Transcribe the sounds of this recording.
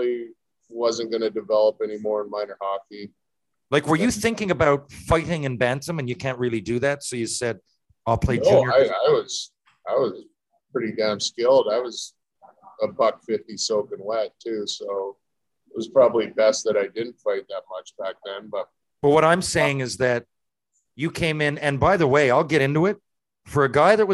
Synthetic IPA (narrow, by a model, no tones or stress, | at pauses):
i | wʌzə̃nɡ̥ʌnɨdɨvɛlˠəpɛnimɔɹə̃nmãɪ̃nə˞hɑki | laɪkwə˞jɨθɪ̃ŋkɪ̃ŋɨbaʊtfaɪɾɪ̃ŋɨ̃nbæ̃ntə̃mɨ̃njɨkʰæ̃nt̚ɹɪlˠidɨðætsoʊjɨ̥sɛd̚ | aɪlˠpʰl̥eɪd͡ʒaɪaɪwʌz̥ | aɪwʌz̥ | pʰɹ̥ɪɾidæ̃ʊ̃mskɪlˠdaɪwʌz | əbʌkfɪftisoʊkɨ̃nwætʰʉsoʊ | ɪt̚wʌz̥pʰɹ̥ɑbəblibɛst̪̚ðɨɾaɪdɪdⁿn̩tfaɪt̪̚ðət̚mʌt͡ʃb̥æk̚ðɨ̃nbʌt̚ | b̥ʌt̚wʌɾãɪ̃mseɪɪ̃ŋɨzðɨt͡ʃ̚ | ɨkʰẽɪ̃mɪ̃nɨ̃nbaɪðəweɪaɪlˠɡɛɾɪ̃ntʉɪt̚ | fə˞ɨɡaɪðɨt̚wʌ